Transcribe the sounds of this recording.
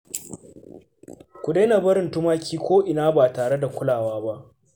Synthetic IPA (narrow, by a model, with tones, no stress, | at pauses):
kʷʊ˨de˦na˨bɐ˦ɾɪ˨ntʊ˦maː˦kʲʰiː˦kʷoː˦ʔɪ˨naː˦baː˨taː˨ɽe˦da˨kʷʊ˦laː˨waː˦ba˦ʔ